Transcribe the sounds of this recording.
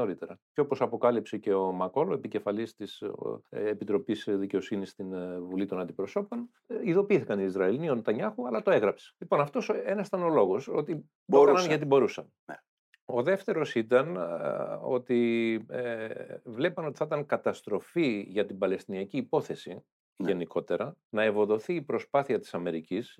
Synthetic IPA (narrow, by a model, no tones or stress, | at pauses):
o̞ɾit̪e̞ɾɐceo̞po̞sɐpo̞kɐlipse̞ce̞o̞mɐko̞loepice̞fɐlist̪is | epit̪ɾo̞pisðice̞o̞sinist̪invulit̪o̞nɐnd̪ipɾo̞so̞po̞n | iðo̞piiθikɐnt̪iizɾɐeliniont̪ɐɲɐxuɐlɐt̪o̞eɣɾɐpse̥lipo̞nɐft̪o̞senɐst̪ɐno̞lo̞ɣo̞so̞t̪i | oɐnɐnʝɐt̪ibo̞ɾusɐn | o̞ðe̞ft̪e̞ɾo̞sit̪ɐn | o̞t̪i | vle̞pɐno̞t̪i̥θɐt̪ɐŋkɐt̪ɐst̪ɾo̞fiʝɐt̪ibɐle̞st̪iniɐciːpo̞θe̞si | ʝe̞nikʰo̞t̪e̞ɾɐnɐevo̞ðo̞θiːpɾo̞spɐθiɐt̪i̥sɐme̞ɾicis